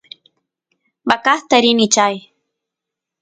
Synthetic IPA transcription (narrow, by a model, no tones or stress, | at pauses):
bakaχt̪aɾɪnɪt͡ʃaj